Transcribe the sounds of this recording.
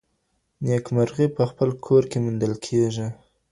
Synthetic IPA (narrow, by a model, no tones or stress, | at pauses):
njekmaɾɣipəxpəlkʰoɾkemund̪əlkʰeʒi